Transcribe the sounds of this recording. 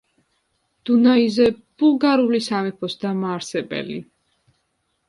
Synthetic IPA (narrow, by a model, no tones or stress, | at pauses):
d̪̥unaizɛb̥ulˠɡaɾulisamɛpʰɔsd̪amaːɾsɛbɛ̰lḭ